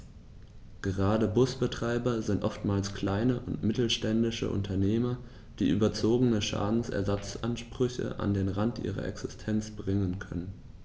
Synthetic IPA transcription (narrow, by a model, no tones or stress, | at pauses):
ɡ̥əʁaːdəbʊsb̥ətʁ̥aɪbɐzɪntʔɔftmaːlskl̥aɪnəʔʊntmɪtl̩ʃtɛndɪʃə̰ʔʊ̰ntʰɐneːmɐ | d̥ḭːʔy̰ːbɐt͡soːɡənəʃa̰ːdn̩sɛ̰ɐzat͡sʔanʃpʁ̥ʏçə̰ʔa̰ndeːnʁantʔḭːʁɐ̰ʔɛ̰ksɪstʰɛnt͡sb̥ʁɪŋənkʰœnən